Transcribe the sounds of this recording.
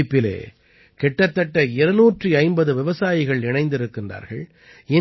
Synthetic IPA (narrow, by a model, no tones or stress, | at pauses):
ɪpːɪlḛː | kɛʈːɐt̪ːɐʈːɐɪɾɯnuːʈriɐɪmbɐðɯʋɪʋɐsaːjɪɣɐɭɪnɐɪnd̪ɪɾɯkːɪndra̰ːɾɣɐ̰ɭ | ɪ